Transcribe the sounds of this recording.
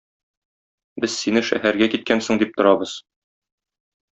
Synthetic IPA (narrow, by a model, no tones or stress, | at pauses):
bɘz̥sinɘʃæ̰hæɾɡækit̪̚kænsɤ̆ɴd̪ip̚t̪ŏɾɑbɤz̥